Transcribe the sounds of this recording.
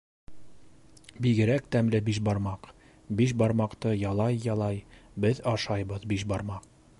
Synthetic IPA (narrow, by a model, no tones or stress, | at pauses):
biɡɘ̆ɾæk̚t̪æmlɘbiʃbɑɾmɑq | biʃ̬bɑɾmɑqt̪ɤjɑlˠɑjːɑlˠɑjbɘðɑʃɑjbɤðbiʃbɑɾmɑq̚